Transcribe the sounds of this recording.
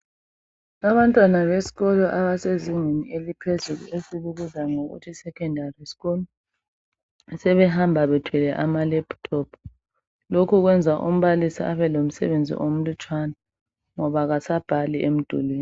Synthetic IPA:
aβantʼwanaβesi̥ɣɔlɔʔaɓaseziŋenielipʰezuk̬ṵesiɓuɣuzaŋoɣṵtʰisɛkʰɛndʱarisi̥ɣɔlɔ | sɛβɛɦambʱaɓɛtʰwilɛʔamalɛb̥tʰɔpʰ | lokʰuk̬wɛnd͡zʱaʔum̩ɓalisḭaɓɛlom̩sɛ̰βend͡zʱḭʔom̩lut͡ʃʰʼwana | ŋɔβaɣ̬asab̥ʱaliʔem̩d̥ʱṵlweːni

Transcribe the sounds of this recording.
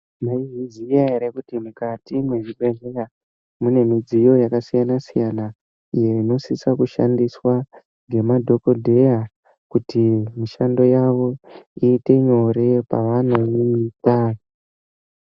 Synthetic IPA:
maiɦizijaeɾekutimukatimwe̞ʐiɓe̞ɮera | mune̞mid͡zijo̞jakasijanasijana | ije̞ino̞sisakuʃa̰ndiswa | ŋɡe̞madʱo̞ko̞dʱe̞ja | kutimiʃando̞jaʋo̞iːte̞ɲo̞ɾe̞pa̰ʋanojimitaːno

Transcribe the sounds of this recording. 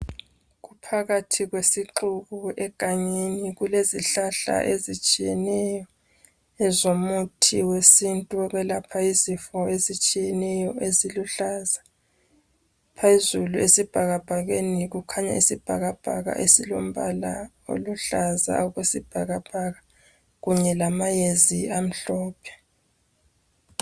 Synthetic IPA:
ɣupʰaɣatʰiɣwesiǃuɣuɛɡ̥ʱʼaɲeniɣuleziɬaɬa̰ʔezit͡ʃʼijɛnɛjɔ | ɛzomutʰiwesintʼuɣɛlapʰaizifɔezit͡ʃʼijɛnɛjɔʔeziluɬaza | pʰaizuluesib̥ʱaɣab̥ʱaɣeniɣukʰaɲa̰isib̥ʱaɣab̥ʱa̰ɣa̰ʔesilom̩βala̰ | o̰luɬaza̰ɔɣwesib̥ʱaɣab̥ʱaɣa | ɣuɲɛlamajeziam̩ɬɔːpʰɛ̥

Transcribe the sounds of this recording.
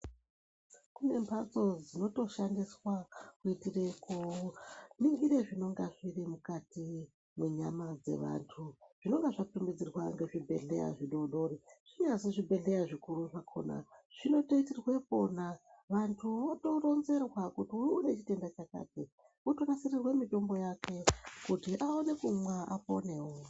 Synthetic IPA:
kune̞mpʰat͡so̞d͡zino̞to̞ʃandiswakuitirekouniŋɡiɾeʐino̞ŋɡaʐirimukati | mweɲa̰mad͡ze̞̰ʋa̰ntʰuʐ̥ino̞ŋɡaʐatumbid͡zirwaŋɡe̞ʐibʱeɮḛja̰ʐiɗo̞ɗo̞ɾiʐ̥iɲazeʐibʱe̞ɮe̞jaʐikuɾuʐakʰo̞̰na̰ʐ̥ino̞teitirwe̞po̞naʋantʰuʋato̞ro̞nze̞rwakutiuune̞t͡ʃite̞ndat͡ʃaka̰ːke | oto̞nasirirwemito̞mbo̞jake̞kutiʔaone̞kumwaa̰po̰ne̞wo

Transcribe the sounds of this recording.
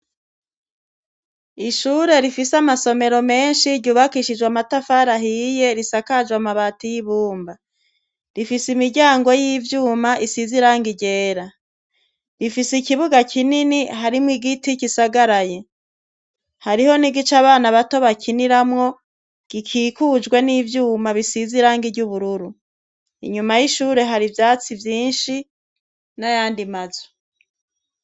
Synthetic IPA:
iʃuːɾe̞ɾifisamaso̞me̞ɾo̞me̞ːnʃiɾɟuːβakiʃid͡ʒwamatafaɾaɦije̞ɾisakad͡ʒwamaβatijiβuːmba | ɾifisimiɾɟaːŋɡo̞jiːvjuːmaʔisiziɾaːŋɡiɟe̞ːɾa | ɾifisikiβuɡakʰininiɦaɾimŋiɡiticisaɡaɾaje | haɾiho̞niɡit͡ʃaːβaːnaβato̞βakʰiniɾamŋo̞ | ɡ̥ikʰiːkuːd͡ʒɡwe̞niːvjuːmaβisiziɾaːŋɡiɾɟuβuɾuɾu | ḭɲumajiʃuːɾe̞ɦaɾivjaːt͡sivjiːnʃi | najaːndimazo̥

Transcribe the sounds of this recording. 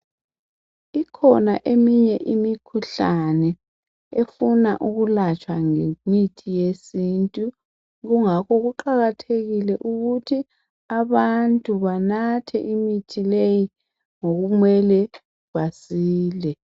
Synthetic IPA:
ikʰɔna̰ʔemiɲɛʔimikʰuɬanɛ | efuna̰ʔuɣulat͡ʃʼwaŋeɲitʰijesintʼu | ɣuŋakɔɣuǃaɣatʰeɣilɛʔuɣutʰi | aβantʼuβanatʰɛ̰ʔimitʰileji | ŋoɣumwɛlɛ | βasiːlɛ

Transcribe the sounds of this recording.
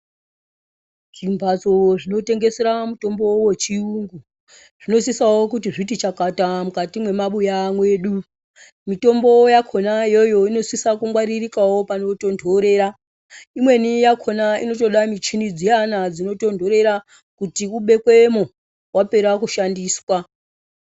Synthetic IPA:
ʐimbʱat͡soʐino̞te̞ŋɡe̞seɾamuto̞mbo̞we̞t͡ʃiuŋɡu | ʐ̥ino̞s̬isawo̞kutiʐitit͡ʃakatamukatimwe̞maɓujamwe̞ːɗu | mito̞mbo̞jakʰo̞naijo̞jo̞ino̞sisakumɡwaɾirikawo̞pano̞to̞ndʱo̞ɾe̞ːɾa | imwe̞nijakʰo̞naḭno̞to̞ɗamit͡ʃinid͡zijanad͡zino̞to̞ndʱo̞ɾe̞ɾa | kutiuɓe̞kwe̞mo | wape̞ɾakuʃandiːswa

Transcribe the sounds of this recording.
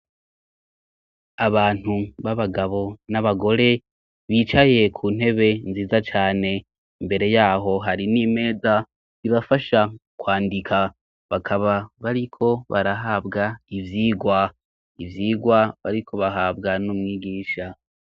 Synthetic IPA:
aβaːn̥huβaβaɡaβo̞naβaɡo̞ɾe̞ | βiːt͡ʃaje̞kʰuːn̥he̞βe̞nziːzat͡ʃaːne̞ | imbe̞ɾe̞jaːɦo̞ɦaɾinime̞ːza | iβafaʃakwaːndikʰa | βakʰaβaβaɾikʰo̞βa̰ɾaɦaːbɡaivjiːɡwa | ivjiːɡwaβaɾikʰo̞βaɦaːbɡanumŋiːɡiːʃa

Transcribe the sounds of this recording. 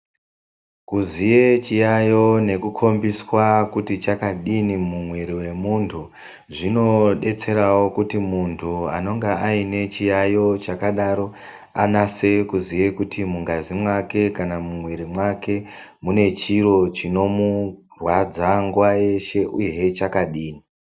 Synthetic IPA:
kuzijet͡ʃijajo̞ne̞kukʰo̞mbiswakutit͡ʃakaɗinimumwe̞ɾiwe̞muntʰu | ʐino̞ɗe̞t͡se̞ɾawo̞kutimuntʰua̰no̞ŋɡeaine̞t͡ʃijajo̞t͡ʃakaɗaɾo̞ | anase̞kuzijekutimuŋɡazimwake̞kanamumwe̞ɾimwake̞ | mune̞t͡ʃiɾo̞t͡ʃino̞murwad͡zaŋɡuwaje̞ʃe̞ʔujeet͡ʃakaɗiːni

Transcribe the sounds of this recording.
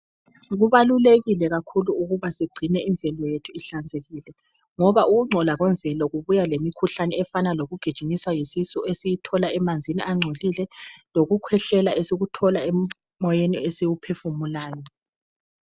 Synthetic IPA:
ɣuβaluleɣilɛɣakʰuluuɣuβasiɡ͡ǀʱinɛiɱvʱɛlɔjetʰuiɬand͡zʱeɣilɛ | ŋɔβaʔuɣuŋ͡ǀʱɔlaɣwɛɱvʱɛlɔɣuβujalemikʰuɬanɛɛfanaloɣuɡ̥ʱid̥ʒ̥ʱiniswajisisɔesijitʰɔlaɛmand͡zʱiniʔaŋ͡ǀʱolilɛloɣukʰwɛɬɛlaesiɣutʰɔlaɛm | mɔjeniesiwupʰefumulaːjɔ

